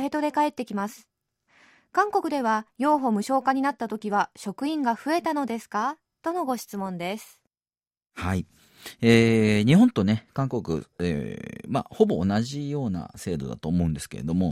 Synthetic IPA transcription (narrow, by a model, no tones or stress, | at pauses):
e̞t̪o̞d̪e̞kae̞t̪ːe̞kʲimasɨ̥ | kãŋko̞kɯ̟d̪e̞β̞ajo̞ːɦo̞mɯ̟ɕo̞ːkaɲ̟inat̪ːat̪o̞kʲiβaɕo̞kɯ̟ĩŋɡaɸɯ̟e̞t̪ano̞d̪e̞sɨ̥ka | t̪o̞no̞ɡo̞ɕi̥t͡sɨmõ̞nd̪e̞sɨ̥ | hai | eːɲ̟iɦõ̞nt̪o̞ne̞kãŋko̞kɯ̟̰ḛma̰ho̞bo̞ːnaʑijo̞ːna̰se̞ːd̪o̞̰d̪a̰t̪o̞ːmo̞ɯ̟̃nd̪e̞sɨ̥ke̞ɾe̞̰d̪omo̞